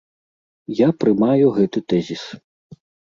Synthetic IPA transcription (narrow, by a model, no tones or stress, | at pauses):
japɾɨmajuɣɛt̪ɨt̪ɛzʲis